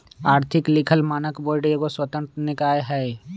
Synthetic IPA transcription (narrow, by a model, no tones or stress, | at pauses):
aːɾt̪ʰɪklɪkʰəlmaːnəkboːɖeɡoswət̪ə̃nt̪ɾənɪkaːjɦɛː